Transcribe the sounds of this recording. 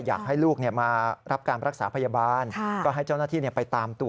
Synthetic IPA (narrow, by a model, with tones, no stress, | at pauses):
ja̰ː˨˩k̚ɦa˥˩jluː˥˩k̚ni˥˩əmaː˧ɾa˦˥p̚kaː˧nɾʔa˦˥k̚sa̰ː˩˦pʰa˧jaː˧baː˧nʰ˥kɔː˥˩ɦa˥˩jt͡ɕa˥˩wnaː˥˩t̪ʰiː˥˩ni˥˩pa˧jt̪aː˧mt̪u˨˩